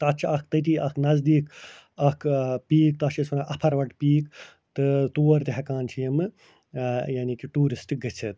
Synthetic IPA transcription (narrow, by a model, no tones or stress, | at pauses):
t̪ɐt͡ʃʰɐkt̪ɐt̪iːʔɐkʰnɐzd̪iːk | ɐkʰpiːk̚t̪ɐt͡ʃʰisunaʔɐpʰɐɾʋɐʈpiːk | t̪ɨt̪uːɾt̪iɦɐkaːnt͡ʃʰijɐmɨ | janikiʈuːɾisʈɡɐt͡ʃʰɨt̪